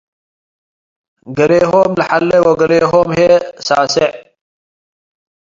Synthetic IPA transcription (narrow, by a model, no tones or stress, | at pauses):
ɡɐleːɦoːmlɐħalːewoɡɐleːɦoːmheːsa̰ːseʕ